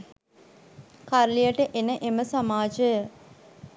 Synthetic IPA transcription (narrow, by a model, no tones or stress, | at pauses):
kaɾlijəʈəʔenəʔeməsamaːd͡ʒə